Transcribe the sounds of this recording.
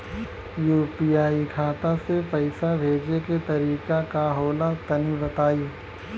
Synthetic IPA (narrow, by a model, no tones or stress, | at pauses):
juːpiaːikʰaːt̪asepɐɪsabʱeːd͡ʒeket̪ɐɾiːkakaɦoːlat̪ɐnibɐt̪aːiː